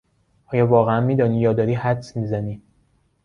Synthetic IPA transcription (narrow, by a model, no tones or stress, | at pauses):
ʔɒːjɒːvɒːɣeænmiːd̪ɒːniːjɒːd̪ɒːɾiːhæd̪smiːzæniː